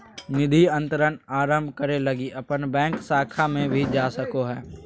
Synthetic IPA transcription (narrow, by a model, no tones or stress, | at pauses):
nɪd̪ʱiə̃nt̪əɾənaːɾə̃mbʱkəɾelɐɡiʔɐpənbɛ̃ːŋksaːkʰamẽbʱid͡ʒaːsəkoɦɛː